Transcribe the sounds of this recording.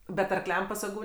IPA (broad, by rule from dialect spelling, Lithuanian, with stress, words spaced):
bʲɛt ɐrˈklʲɛm pɐsɐˈɡuː